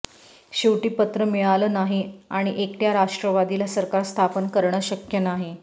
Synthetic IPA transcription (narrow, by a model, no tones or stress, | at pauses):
ɕiʋʈiːpət̪ɾəmiɭalənaɦiaɽ̃iʔekʈjaɾaʂʈɾəʋad̪ilasəɾkaɾst̪ʰapənkəɾɳəɕəkjənaɦi